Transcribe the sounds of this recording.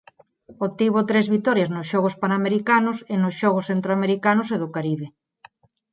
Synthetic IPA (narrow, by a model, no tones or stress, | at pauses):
ot̪iβot̪ɾezβit̪ɔɾjaznʊsʃɔɣospanameɾikanʊsenʊsʃɔɣ̞ʊsθent̪ɾoameɾikanʊseðʊkaɾiβe